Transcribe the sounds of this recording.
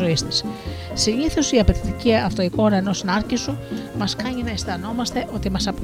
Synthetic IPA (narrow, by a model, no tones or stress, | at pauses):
o̞ist̪is | siniθosiɐpe̞t̪it̪iciɐft̪o̞iko̞ːɾɐeno̞sinɐɾcisumɐskɐɲinɐist̪ɐno̞mɐst̪e̞ʔo̞t̪imɐsɐp